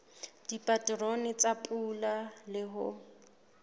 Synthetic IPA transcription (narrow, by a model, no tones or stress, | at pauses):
d̥ipʼatʼronɪt͡sʼapʼulalɪɦʊ